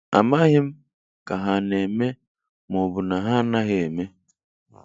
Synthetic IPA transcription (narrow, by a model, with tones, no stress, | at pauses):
a̰˨ma˦ɣɪ˦m̩˦ | ka˨ɦa˨ne˨me˦ | mɔ˨bʊ˨na˨ɦa˦na˦ɣɪ˦e˨me˦